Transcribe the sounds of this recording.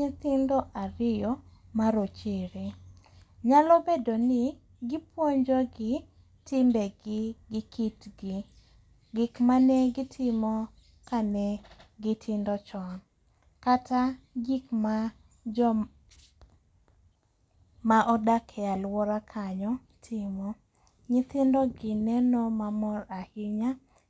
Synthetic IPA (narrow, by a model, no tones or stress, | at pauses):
et̪ɪndɔʔaɾɪjɔmaɾot͡ʃeɾe | ɲalɔbedonɪ | ɡɪpwoɲd͡ʒoɡɪ | tɪmbɛɡɪɡɪkitɡɪ | ɡɪkmanɛɡɪtʰɪmɔ | kanɛɡɪtʰɪndɔt͡ʃɔn | kataɡikma | d͡ʒɔ | maʔɔdakʰɛalwɔɾakʰaɲɔ | tʰɪmɔ | ɲɪt̪ɪndɔɡɪnɛnɔmamɔɾahɪɲa